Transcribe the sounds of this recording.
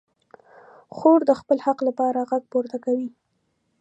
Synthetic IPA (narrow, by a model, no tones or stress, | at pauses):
xoɾd̪əxpəlhaqlapɑɾaɣaɡ̚poɾt̪akawi